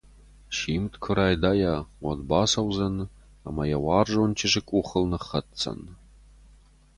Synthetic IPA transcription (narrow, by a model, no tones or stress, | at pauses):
ʃiːmtkʷʰʊɾaːjdajawɐdbaːsɐwzɐn | a̰mɐjawɑːrʐont͡ʃʰɪʂɨkʷʼuχəlnɨχɐtt͡sʰʼɐ̰n